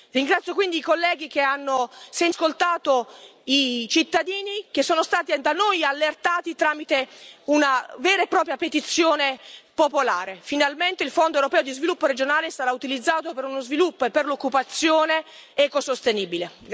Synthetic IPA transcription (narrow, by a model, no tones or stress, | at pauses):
riŋɡɾat̪sjokwind̪iikolːɛːɡik̟eanːosenskolt̪aːt̪oit͡ʃit̪ːad̪iːnik̟esːoːnost̪aːt̪id̪anojalːert̪aːt̪it̪ɾaːmit̪eunavɛːɾaepːɾɔːpɾjapet̪it̪sːjoːnepopolaːɾefinalment̪eilfond̪oewɾopɛːod̪izvilupːoɾed͡ʒonaːlest̪aɾaut̪ilid̪zːaːt̪opeɾunozvilupːoepːerlokːupat̪sːjoːneɛkosost̪eniːbile